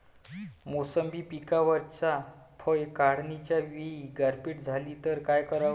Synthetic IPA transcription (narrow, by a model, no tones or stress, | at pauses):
mosəmbiːpikaʋəɾt͡sa | pʰəjkaɽnit͡ɕjaʋiiɡaɾpiːʈd͡zʱalit̪əɾkajkəɾa